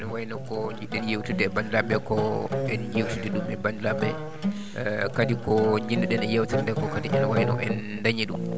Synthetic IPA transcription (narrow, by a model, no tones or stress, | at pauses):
nɛwajnɔkɔɲd͡ʒiɗɛnjewtudɛbandilaɓɛkɔɛnjewtudɛɗumɛbandilaɓɛ | kadikɔɲd͡ʒindɛɗɛnɛjewtanndɛkɔkadiʔɛnɔwajnɔ̰ʔɛnːdaɲiɗum